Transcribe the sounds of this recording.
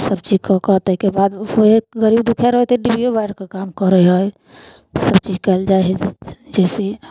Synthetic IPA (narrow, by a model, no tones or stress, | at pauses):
səbt͡ʃid͡ʒkəkət̪əɦikebad̪oeɡəɾibd̪ukʰeɾəɦɔt̪eɖibiobaɪɽkekamkəɾəɦɔj | səbt͡ʃid͡ʒkəɪld͡ʒaeɦd͡ʒɛse